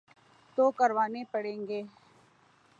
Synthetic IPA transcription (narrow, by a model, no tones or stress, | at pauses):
t̪oːkəɾʋaːnepəɽẽːŋɡeː